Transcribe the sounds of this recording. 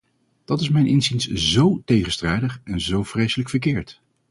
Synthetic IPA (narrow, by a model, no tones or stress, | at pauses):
d̥ɑtɪsmɛjnʔɪnzinszowtejχənstrɛjdəχɛnzowv̥rejsələkfəɹk̬ɪːɹt